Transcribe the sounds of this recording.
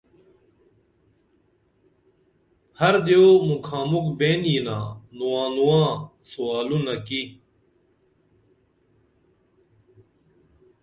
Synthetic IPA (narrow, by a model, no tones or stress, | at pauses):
hɐɾd̪joːmukʰaːmukbeːnjinã̰ːnuwãːnuãːsuaːlunɐki